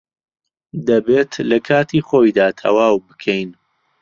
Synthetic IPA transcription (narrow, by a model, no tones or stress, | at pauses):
d̪ɐbeːt̪lɐkʰaːt̪ʰiːχojd̪aːt̪ʰɐ̰waːwbɨkʰɛjn